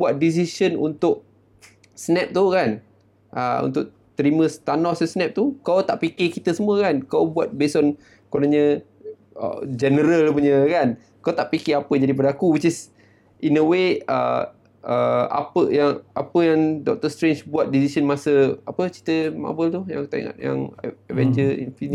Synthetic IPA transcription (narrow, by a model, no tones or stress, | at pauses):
buat̪̚dis̬isənṵnt̪ʊʔ̚ | snɛp̚t̪ukan | ʔəṵnt̪ʊʔ | t̪əɾimə̃st̪anɔsəsnɛp̚t̪ukat̪aʔpikɪkit̪əsəmuəkankabuwat̪̚besɔn | konaɲə̃ | ə̰d͡ʒɛnəɾəlpəɲəkan | kat̪aʔpikiapəd͡ʒadip̬adakuwit͡ʃis | ʔinəweə̰ | əa̰pəjaŋʔapəjaŋdɔ̰k̚t̪əst̪ɾent͡ʃbuat̪̚disisənmasəapət͡ʃi̥t̪əma̰bəlt̪uja̰ŋt̪aḭŋa̰t̪ja̰ŋəvɛnd͡ʒəḭnfin